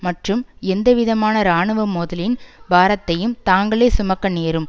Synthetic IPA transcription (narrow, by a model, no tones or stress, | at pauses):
mɐʈrɯmɛnd̪ɐʋɪðɐmaːnɐɾaːɳɯʋɐmoːðɐlɪnbʱaːɾɐt̪ːɐjɯmt̪aːŋɡɐɭeːsʊmɐkːɐneːɾɯm